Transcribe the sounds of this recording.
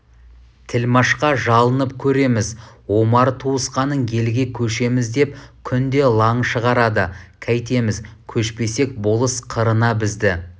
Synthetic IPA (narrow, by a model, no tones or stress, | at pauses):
t̪ʰɪlmɑʃqɑʒɑlˠənəpkʲʰɵɾe̞mɪzwo̞mɑɾt̪ʰuəsqɑnəɴje̞lɡʲe̞kʲʰɵʃe̞mɪzd̪e̞pkʲʰʏnd̪e̞lˠɑɴʃəʁɑɾɑd̪əkʲʰæjt̪e̞mɪzkʲʰɵʃpe̞se̞k̚bo̞lˠəsqʰəɾənɑbɪzd̪ɪ